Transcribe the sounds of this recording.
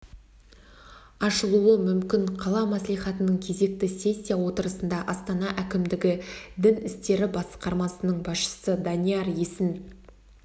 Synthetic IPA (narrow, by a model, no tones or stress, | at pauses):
ɑʃəlˠuəmʏmkʲɪɴqʰɑlˠɑmæslˠijχɑt̪ənəɴkʲʰe̞ze̞k̚t̪ɪse̞sʲːijawo̞t̪əɾəsənd̪ɑʔɑst̪ɑnɑʔækʲɪmd̪ɪɡʲɪd̪ɪnɪst̪e̞ɾɪbɑsqɑɾmɑsənəɴbɑsʃə̥səd̪ɑnijɑɾjesɪn